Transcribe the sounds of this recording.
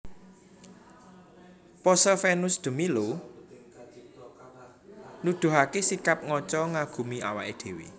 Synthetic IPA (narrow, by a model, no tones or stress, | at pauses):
pɔsəfenʊsd̪̥ə̤milo | nud̪̥ṳɦakesikap̚ŋɔt͡ʃɔŋaɡ̥ṳmia̰wa̰ʔed̪̥e̤wḭ